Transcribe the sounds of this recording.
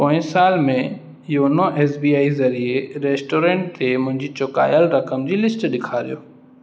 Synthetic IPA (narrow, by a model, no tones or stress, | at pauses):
põːsaːlmẽ | ɪjonoʔeːsbiːaːizɐɾieɾeːsʈoːɾẽːɳʈ̚t̪ʰemʊ̃ɦɪ̃ɲd͡ʑit͡ɕoka̰ːjəlɾɐkəmd͡ʑiːlɪsʈɗɪkʰaːɾijoː